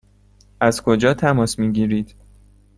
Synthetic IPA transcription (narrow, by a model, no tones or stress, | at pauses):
ʔæz̥kʰo̞d͡ʒɒːt̪ʰæmɒːsmiːɟiːɾiːd̪̥